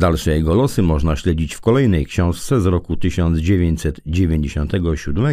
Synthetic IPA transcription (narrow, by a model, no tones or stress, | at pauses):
d̪alʂɛjɛɡɔlɔsɘmɔʐnaɕlɛd͡ʑit͡ɕfkɔlɛjnɛjkɕɔ̃w̃ʂt̪sɛzɾɔkut̪ɘɕɔnd̪zd͡ʑevʲjeɲt͡ɕʲsɛt̪d͡ʑevʲjeɲd͡ʑeɕɔnt̪ɛɡɔɕud̪mɛ